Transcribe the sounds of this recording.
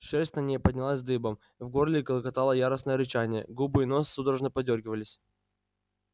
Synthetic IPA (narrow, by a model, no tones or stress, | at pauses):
ʂɛsʲtʲnnʲejpədʲnʲɪlˠasʲzd̪ɨbəm | vɡorlʲɪkəlˠəkɐt̪alˠəjaɾəsnəjəɾʲɪt͡ɕanʲɪjə̰ɡubɨjino̞ssud̪ɾəʐnəpɐdʲorɡʲɪvəlʲɪsʲ